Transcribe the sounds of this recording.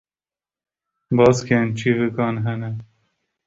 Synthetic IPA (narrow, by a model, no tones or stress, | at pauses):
bɑːskʰent͡ʃʰiːvɨkɑːnɦɛnɛ